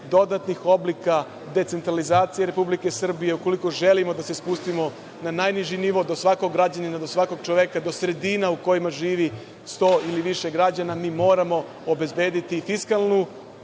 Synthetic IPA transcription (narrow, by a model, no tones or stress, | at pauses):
d̪o̞d̪at̪nixo̞blika | d̪e̞t̪se̞nt̪ɾalizaːt̪sije̞ɾe̞publike̞sr̩bije̞uko̞liko̞ʒe̞limo̞d̪ase̞spust̪imo̞ | nanajniʒiniʋod̪o̞sʋako̞ɡɡɾad͡ʑaninad̪o̞sʋako̞ɡ̚t͡ʃoʋjekad̪o̞sɾe̞d̪inauko̞jimaʒiːʋi | st̪o̞ːiliʋiʃeɡɾad͡ʑanamiːmo̞ːɾamo̞ | obe̞zbe̞ːd̪it̪ifiskalˠnu